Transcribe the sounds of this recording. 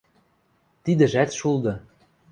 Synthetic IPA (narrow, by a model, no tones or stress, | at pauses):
t̪id̪ɘ̆ʒæt̪ʃulˠd̪ɤ̆